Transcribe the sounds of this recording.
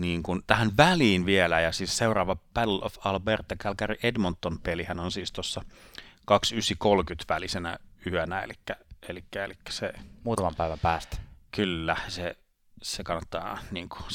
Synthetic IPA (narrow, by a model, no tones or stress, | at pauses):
niːŋkunt̪æhænʋæliːnʋielæjɑsiːsseurɑːʋɑpællo̰fɑlbert̪ːɑkælkæriʔedmont̪ːonpelihænonsiːst̪osːɑkɑksysikolkyt̪ʋælisenæ̰yønæḛlikːæelikːæḛlikːæ̥semuːt̪ɑmɑmpæiʋæmpæːst̪kylːæse | sekɑnːɑt̪ːɑ̰ːniːŋku̥